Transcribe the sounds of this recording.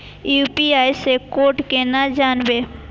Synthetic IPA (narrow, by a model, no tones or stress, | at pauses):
juːpiaːjsekoːʈkenad͡ʒaːnbeː